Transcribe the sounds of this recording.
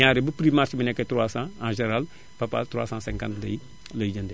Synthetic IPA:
ãːɾebəpɾimaɾt͡ʃbənɛkːetɾwaːsãːãːʒeɾal | papa̰tɾwa̰ːsãːsɛ̃ŋkãntlɐj | lɐd͡ʒɐnde

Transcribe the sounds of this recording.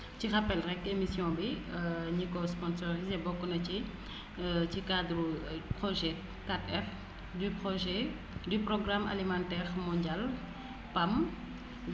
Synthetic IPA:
cirapːɛlrɛkːemisjɔ̃biɲikɔspɔnsɔʁizebɔkːunɐci | cikad̪ɾupχɔʒɛ | katɛf | dypχɔʒɛ | dyprɔɡrama̰limãntɛːʁmɔ̃ɲɟal | pam

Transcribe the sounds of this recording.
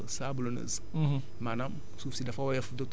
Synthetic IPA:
sabulonə̰z | manam | sufsidafawajafdot

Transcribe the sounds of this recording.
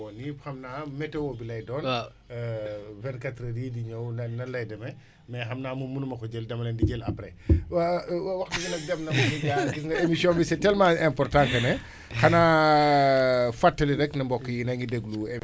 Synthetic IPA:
ɔnixɐmnaːmɛtɛwɔbilɐjdɔːn | vɛnkatɾɐɾidiɲɐwnɐnɐlɐjdɐmɛ | mɛxɐmnaːmumunumɐkɔd͡ʒeldɐmɐlɛndid͡ʒɛlɐ̰pɾɛ | wwɐxtiɡɐnɐk̚dɛmnɐbɔkiɡaɡiŋɡɐemisjɔ̃mbisɛtɛlmãɛmpɔrtãŋkɐnɛ | xɐnaː | fatːɐliɾɛknɐmbɔkːjinɐŋɡideɡlue

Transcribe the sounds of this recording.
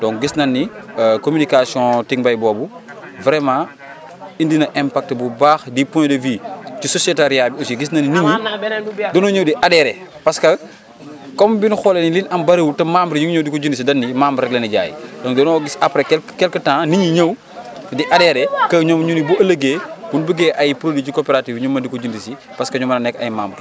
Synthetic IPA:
d̥ɔ̃ŋɡisnɐnːikomynikasiɔ̃tiŋbɐjbɔːbuvɾɛmã | indinɐʔɛmpak̚tbubaːxdipɔ̃ndəviːcisɔsɛtaɾijabiosiɡisnɐnːiniɲi | dɔnɔːɲəwdiʔadɛɾɛpɐskɐ | kɔmbinxɔlɛnilinɐmbɐɾewutɐmambɾiɲuŋɲɔwdikɔɟundisidɐnːimaːmbɾɛlɐnɐɟa̰ːjḭdɔːŋdɔnɔːɡisɐpɾɛkɛkɛlkətãːniɲiɲɐw | diʔɐdɛɾɛkɐɲɔmɲunibuɐləɡeːb̥unbəɡɛːʔɐjpɾodicikɔpɛɾatiːfɲumɐndikɔɟundisi | pɐskɐɲɔmɐnɐnɛkːɐ̰jma̰ːmbɾ

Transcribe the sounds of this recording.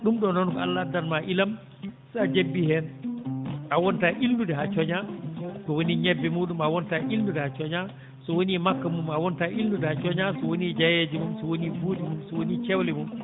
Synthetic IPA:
ɗumɗɔnɔnkɔa̰lːadanmaʔilam | sɛad͡ʒebːihɛn | ʔawɔntaʔilnudɛɦat͡ʃɔɲasɔwoniɲɛbːɛmuːɗumawɔntaʔilnudɛhat͡ʃɔɲa | sɔwonimakːamumawɔntaʔilnudɛhat͡ʃɔɲasɔwonid͡ʒajed͡ʒimumsɔwonibudimumsɔwonit͡ʃɛwlɛmum

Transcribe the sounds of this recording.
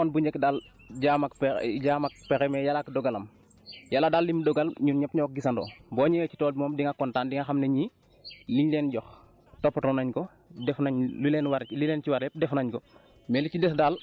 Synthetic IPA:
ɔnbuɲd͡ʒɛkdal | ɟamɐkpɟamɐk̚pekɛmɛjalakdɔɡɐlɐm | jaladaːlːimdɔɡɐlɲunɲɐpɲɔk̚ɡisɐndo̰ːbɔːɲɛwɛci̥tɔːdimomdiŋakɔntaːndiŋaxamneɲi | liɲleːnɟɔx | topːɐtɔnɐɲkɔ | dɛfnaɲlulenwaɾlileːnt͡ʃiwaɾɛp̚dɛfnaɲkɔ | mɛlicidɛsdaːl

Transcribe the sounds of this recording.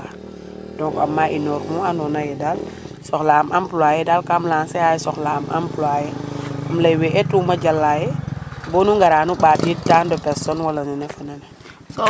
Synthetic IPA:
a | dɔŋkɐmːaʔinɔɾmɔanɔnajɛdalsɔxlamʔampulwajɛdalkamlaːnsɛajɛsɔxlamʔa̰mplajɛamlɐjwɛʔɛtumɐɟɐlːajɛbɔnuŋɡaɾaːnuɓaːtitandɔpɛɾsɔnwɐlɐnɛnɛfɐnɐnɛ

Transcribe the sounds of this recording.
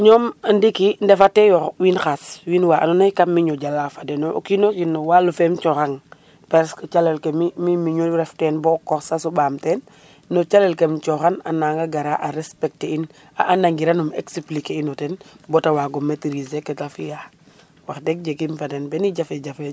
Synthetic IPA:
ɲɔmandikindɛfatɛjɔwinxaswiːnwaʔa̰nɔnajkamːiɲɔɟalafadɛnoo̰kinɔkinːɔwaːlufɛmt͡ʃɔxaŋ | pɛɾskt͡ʃalɛlkemimimiɲoɾɛftɛnbɔkɔxsasɔbaːmtɛnː | ɔt͡ʃalɛlkemt͡ʃɔxana̰naːŋɡaɡaɾaʔaɾɛspɛk̚tein | aʔanaŋɡiɾanumḛksiplikeinɔtɛnbɔtawaːɡɔmetiɾisekɛtafija | waxdɛk̚ɟekimfadɛnbɛniɟafɛɟafe

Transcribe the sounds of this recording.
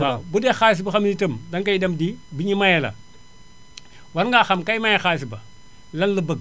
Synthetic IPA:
abudexaːs̬ibɐxamnitəmdaŋkajidɐmdibiɲimajela̰ | waɾŋɡaxamkajmajexaːs̬ibɐ | lɐnləbəɡ̚

